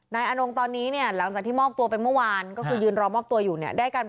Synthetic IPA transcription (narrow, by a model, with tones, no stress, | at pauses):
naː˧jʔa˧no˧ŋt̪ɔː˧nːiː˦˥ni˥˩ɐla˩˦ŋt͡ɕa˨˩k̚t̪iː˥˩mɔː˥˩p̚t̪u˧əpa˧jnmɯ˥˩ɐwaː˧nkɔː˥˩kʰɯː˧jɯː˧nɾɔː˧mɔː˥˩p̚t̪u˧ɐjuː˨˩ni˥˩ɐdaː˥˩jkaː˧n